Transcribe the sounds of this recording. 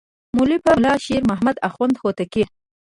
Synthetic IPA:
mulipalɑʃeɾmaɦmad̪axwand̪hot̪aki

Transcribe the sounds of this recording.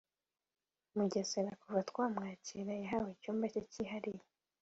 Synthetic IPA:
muɟeseɾakuvatkwaːmŋaːciɾajaɦawecuːmbacociɦaɾije

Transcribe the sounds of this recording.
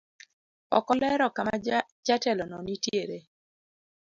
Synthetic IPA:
ɔ̰kɔlɛɾɔkama | d͡ʒatɛlɔnɔnitjeɾe

